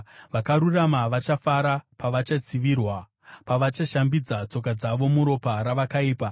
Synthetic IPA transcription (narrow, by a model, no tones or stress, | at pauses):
ʋakaɾuramaʋat͡ʃafaɾapaʋat͡ʃat͡siʋirwa | paʋat͡ʃaʃambid͡zat͡so̞k̬ad͡zaʋo̞muɾo̞paɾaʋakaiːpa